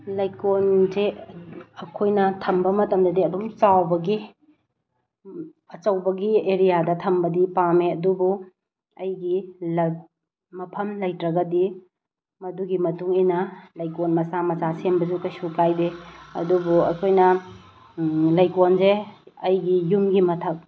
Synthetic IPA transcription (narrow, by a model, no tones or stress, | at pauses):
lɐjkonze | ɐkʰojnɐtʰɐmbɐmɐtɐmdɐdiɐdumt͡ʃawbɐɡi | ɐt͡ʃɐwbɐɡieɾijadɐtʰɐmbɐdipameɐdubu | ɐjɡilɐ | mɐpʰɐmlɐjtɾɐɡɐdi | mɐduɡimɐtuŋinɐlɐjkonmɐsamɐsasembɐzukɐjsukajbeɐ̰dubuɐ̰kʰojnɐ | lɐjkonzeɐjɡijumɡimɐtʰɐk̚